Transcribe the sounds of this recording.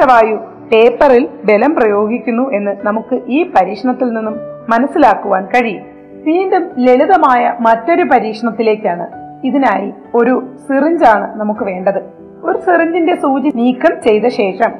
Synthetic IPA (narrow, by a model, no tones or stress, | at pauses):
ɐʋaːju | pe̞ːpːɐrilbe̞lɐmprɐjo̞ːɡikʲːunːuʔe̞nːɨnɐmukːɨʔiːpɐɾiːkʂɐɳɐt̪ːilninːumːɐnɐsːilaːkːuʋaːnkɐɻij | t̪iːndumle̞ɭuðɐmaːjɐmɐtːo̞ɾup̬ɐɾiːkʂɐɳɐt̪ːile̞ːkʲːaːɳɨiðinaːji | o̞ɾusiriɲd͡ʑaːɳɨnɐmukːɨʋe̞ːɳɖɐðɨ | o̞ɾusiriɲd͡ʑinde̞suːt͡ɕiniːkːɐmt͡ɕe̞jt̪ɐɕe̞ːʂɐm